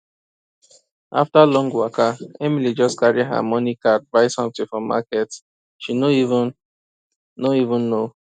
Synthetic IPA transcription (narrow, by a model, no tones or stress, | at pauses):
ʔa̰ftalɔ̃ŋɡwakaɛmilid͡ʒɔskaɹiɦa̰mɔnikat̚baɪsɔ̃mtĩfɔma̰kɛt | ʃinoiṽn | noivũnːo